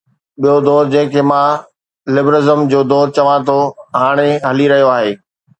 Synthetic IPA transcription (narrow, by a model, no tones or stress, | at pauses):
ɓijod̪ɔːɾd͡ʑɐ̃ɦɪ̃kʰeːmã | lɪbɾɪzəmd͡ʑoːd̪ɔːɾ̚t͡ɕɐʋãt̪ʰoɦaːɽ̃eɦɐliɾɐɦijoaːɦeː